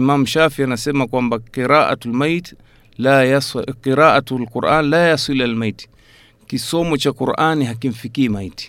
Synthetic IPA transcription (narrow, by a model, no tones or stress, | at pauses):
mamuʃafianasɛmakwambaqiɾaʔa̰talmajt | lajasqiɾaʔatlquɾʔanlajasilalmajti̥ | kisɔmɔt͡ʃakuɾʔaniɦak̬im̩fikiːmajti̥